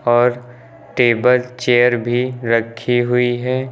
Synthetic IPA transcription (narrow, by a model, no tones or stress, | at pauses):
ɔːɾ | ʈeːbəlt͡ʃeːəɾbʱiɾəkʰːiɦʊiɦɛː